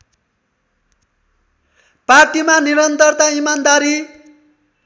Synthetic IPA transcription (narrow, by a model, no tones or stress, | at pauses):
parʈimaniɾʌnt̪ʌrt̪aimand̪aɾi